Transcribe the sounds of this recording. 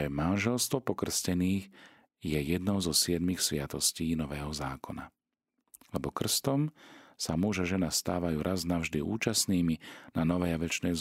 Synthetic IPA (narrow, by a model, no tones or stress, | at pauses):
ɛmanʒɛlst̪ʋɔpɔkr̩scɛniːɣ | jɛjɛd̪nɔʊzɔsɪɛd̪mixsʋɪat̪ɔsciːnɔʋɛːɦɔzaːkɔna̰ | lɛbɔkr̩st̪ɔmsamuʒaʒɛnast̪aːʋajuːɾʔaznaʊʒd̪iʔuːt͡ʃasniːminanɔʋɛjaʋɛt͡ʃnɛjz